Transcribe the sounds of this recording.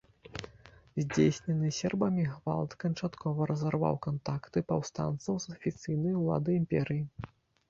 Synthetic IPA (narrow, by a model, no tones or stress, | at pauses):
zʲd͡zʲesʲnʲɛnɨsʲɛrbɐmʲiɣva̰lˠt̪kɐnt͡ʂat̪kʰɔvɐɾɐzarva̰wkant̪akt̪ɨpɐwst̪a̰nt̪sɐwzɐfʲit̪sɨjnɐjulˠa̰d̪ɨimpʲɛɾɨji